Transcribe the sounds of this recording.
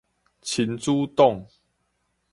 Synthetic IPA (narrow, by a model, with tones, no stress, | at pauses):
t͡ɕʰi˨˦nt͡su˦t̪ɔ˥˨ŋ